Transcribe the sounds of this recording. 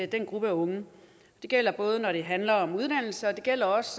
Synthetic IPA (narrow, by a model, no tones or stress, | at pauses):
d̥enɡ̥ʁub̥əæɔ̽ŋə | d̥e̝ɡ̥el̰ɐb̥ɔ̽ːð̞ˠənɒɾ̥e̝ɦænlɐɒ̽muðˠd̥æn̰l̩səɒ̽d̥e̝ɡ̥el̰ɐɒ̽s